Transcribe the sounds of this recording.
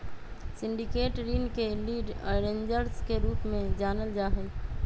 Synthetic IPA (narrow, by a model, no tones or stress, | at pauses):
sɪ̃ɳɖikeːʈɾiːnkeliːɖ̰ɾẽːɲd͡ʒəɾskeɾuːpmẽd͡ʒaːnəld͡ʒaːɦɛ